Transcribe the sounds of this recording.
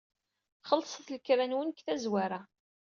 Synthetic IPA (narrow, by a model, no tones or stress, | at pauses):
χəlːsˤəθləkɾænwənkθæzwaɾa